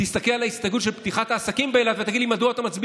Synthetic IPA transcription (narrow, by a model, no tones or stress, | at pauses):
ist̪akelalaist̪aɡut̪ʃelpt̪iχat̪aːsakimbeːladt̪vet̪aɡidlimad̪uot̪amat͡sbi